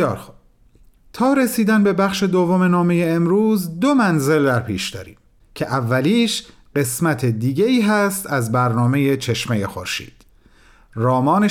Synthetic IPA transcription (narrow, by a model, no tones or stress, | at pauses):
ɒːɾxob | t̪ʰɒːɾe̞siːd̪ænbe̞bæxʃe̞d̪o̞vːo̞me̞nɒːme̞jeːmɾuːzd̪o̞mænze̞ld̪æɾpʰiːʃd̪ɒ̰ːɾḭːm | cʰe̞ʔævːæliːʃ | ɢe̞smæt̪ʰed̪iːɟeiːɦæst̪ʰæzbæɾnɒːme̞je̞t͡ʃʰe̞ʃmejexo̞̰ɾʃḭːd̪̥ | rɒːmɒːne